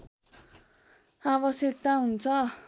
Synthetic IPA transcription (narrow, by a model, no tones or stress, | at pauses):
abʌsjʌk̚t̪aɦunt͡sʰʌ